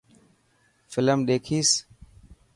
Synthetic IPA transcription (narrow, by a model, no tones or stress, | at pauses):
fɪləmɗ̪eːkʰiːs